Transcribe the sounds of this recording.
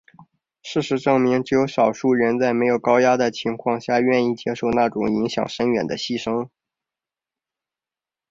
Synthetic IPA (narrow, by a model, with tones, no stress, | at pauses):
ʂɻ̩˥˩ʂɻ̩˧˥ʈ͡ʂɤ˥˩ŋmi˧˥ŋʈ͡ʂɻ̩˥jo˧˥ʊʂɑ˨˩ʊʂu˥˩ɻə˧˥nt͡sa˥˩ɪme˧˥ɪjo˨˩ʊkɑ˥ʊja˥d̪ə˨˩t͡ɕʰi˧˥ŋkʰwɑ˥˧ŋɕja˥˩ɥɛ˥˧ni˥˩t͡ɕjɛ˥ʂo˥˧ʊna˥˩ʈ͡ʂʊ˨˩ŋi˧˥ŋɕjɑ̰˨˩ŋʂə˥nɥɛ˨˩nd̪ə˦ɕi˥˩ʂɤ˥ŋ